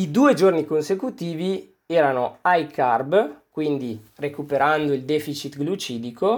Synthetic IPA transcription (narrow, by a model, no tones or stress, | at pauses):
id̪uːed͡ʒornikonsekut̪iːvi | ɛːɾanoajkʰarbkwind̪irekupeɾand̪oild̪ɛfit͡ʃit̪ɡlut͡ʃiːd̪ikʰo